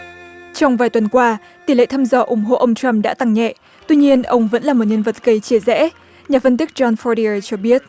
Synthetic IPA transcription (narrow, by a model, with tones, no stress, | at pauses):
t͡ɕɔ˧wŋ͡mvaː˨˩jt̪wə˨˩nkwaː˧ | t̪i˨˩lḛ˧˨t̪ʰaː˧mzɔ˨˧˩ʔʊ˧˩ŋ͡mɦo̰˧˨ʔə˧wŋ͡mt͡ɕa˧mɗa̰ː˧˥t̪a˨˩ŋɲɛ̰˧˨ʔ | t̪wi˧ɲi˧ənʔə˧wŋ͡mvə̰˧˥nlaː˨˩mo˨˩t̚ɲə˧nvə˨˩t̚ɣə˧˩jt͡ɕi˧˩əzɛ̰˧˥ | ɲaː˨˩fə˧nt̪i˦˥k̚t͡ɕɔ˧nfɔ˧ɾi˧ə˧t͡ɕɔ˧ɓi˦˥ət̚